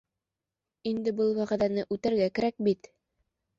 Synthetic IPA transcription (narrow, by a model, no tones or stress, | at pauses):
ind̪ɘbɤlˠwæʁæ̆ðænɘʔʉt̪æɾɡækɘ̆ɾæk̚bit̪